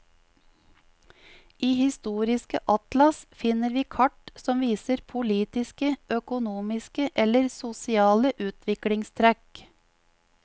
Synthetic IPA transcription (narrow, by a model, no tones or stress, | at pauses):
ʔiːhɪst̪uːɾɪskə̰ʔɑt̪lɑsfɪnəɾʋiːkʰɑʈsɔmʋiːsəɾpʰʊliːt̪ɪskəʔœkʊnuːmɪskəʔɛləɾsʊsɪɑːləʔʉːt̪ʰʋɪkɽɪŋst̪ʰɾæk